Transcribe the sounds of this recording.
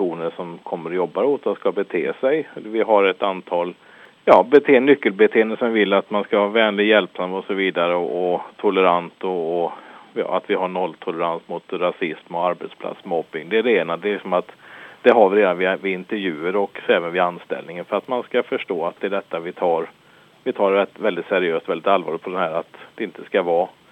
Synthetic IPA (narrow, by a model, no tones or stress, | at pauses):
uːnəɾʂɔmkʰɔmːəɾɔjɔbːaɾot̪ʰːaskabɛt̪ʰḛːsɛjvɪɦaɾɛt̪ant̪ʰɑːl | jɑːbɛt̪ʰeːnʏkːəlbɛt̪ʰeːnəsɛvɪlːat̪manskavɑːvɛːnlɪjɛlpsand̪əɔsɔviːd̪aɾəɔʔɔt̪ʰʊləɾant̪ɔɔjɑ̰ːa̰t̪vɪɦaɳɔlːt̪ʰʊləɾansmʊt̪ɾasɪsmɔaɾbɛt̪spʰla̰t̪smɔpːɪŋd̪ɛæɾɛeːnad̪ɛlɪksɔmat̪d̪̥ɛɦɑːvɾeːd̪anvɪvɪɪnt̪əvjʉ̟ːəɾɔkɛːvənvɪanst̪ɛ̰lnɪŋənfœɾat̪manskafœʂʈoːat̪̚d̪ɛɖɛt̪ːavɪt̪ʰɑːɾ | vɪt̪ʰɑːɾɛt̪vɛld̪ɪt̪sɛɾɪøːst̪ɔvɛlːɪt̪alvɑːɭɪt̪pʰɔd̪ɛnhæːɾat̪d̪ɛɪnt̪ʰəskavɑː